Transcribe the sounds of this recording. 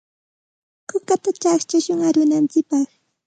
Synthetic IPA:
kʊkat̪at͡ʃakt͡ʃaʃʊŋaɾʊnant͡sɪk̚pɑχ

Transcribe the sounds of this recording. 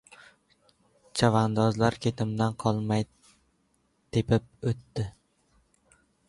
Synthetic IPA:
t͡ʃʰavand̪ɒzlaɾkʲʰe̞t̪ʰɪmd̪anqʰɒlˠmaj | t̪ʰepɪp̚ɵt̪ːɪ

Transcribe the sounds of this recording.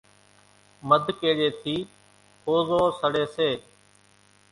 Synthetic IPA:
məd̪ʱkeːɗeːt̪ʰiː | koːzoːsəɽeːseː

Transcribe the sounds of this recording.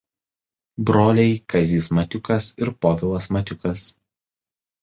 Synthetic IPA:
bɾoːlʲɛɪkʰɐzʲiːsmɐt̪ʲʊkɐsɪɾpɔʋʲɪlˠɐsmɐt̪ʲʊkɐs

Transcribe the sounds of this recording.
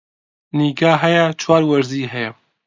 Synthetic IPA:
niːɡaːɦɛjɛt͡ʃʰwɑːɾwɐɾziːɦɛjɛ

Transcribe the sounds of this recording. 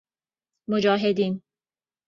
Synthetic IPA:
mod͡ʒɒːɦed̪iːn

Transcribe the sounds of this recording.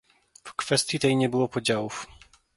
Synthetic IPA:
fkfɛst̪ʲjit̪ɛjɲɛbɘwɔpɔd͡ʑawuf

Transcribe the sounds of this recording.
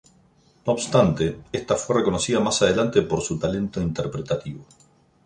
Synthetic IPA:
noːβst̪ant̪e̞est̪afwe̞re̞ko̞no̞siðamasað̞e̞lant̪epo̞ɾsut̪ale̞nt̪o̞int̪eɾpɾet̪at̪iβo

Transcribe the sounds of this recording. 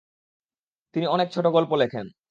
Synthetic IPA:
t̪iniɔnek̚t͡ɕʰoʈoɡɔlpolekʰen

